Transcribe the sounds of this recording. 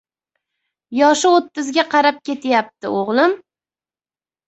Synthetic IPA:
jɒʃɪot̪ːɪzɡʲaqʰɑɾap̚kʲʰe̞t̪ʰjap̚t̪ʰɪoʁlˠɪm

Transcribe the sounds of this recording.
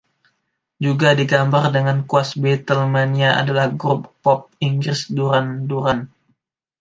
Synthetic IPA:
d͡ʒuɡadiɡambardəŋankuasbet̪əlmaniaʔa̰dalahɡɾʊp̚pɔp̚iŋɡɾɪsduɾanduɾan

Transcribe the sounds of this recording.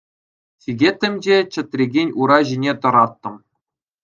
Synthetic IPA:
tʲiɡʲet̪ʲːɘ̆mʲd͡ʑet͡ɕɘ̆t̪ʲrʲeɡʲenʲuɾɑʑinʲet̪ɤ̆ɾɑt̪ːɤ̆m

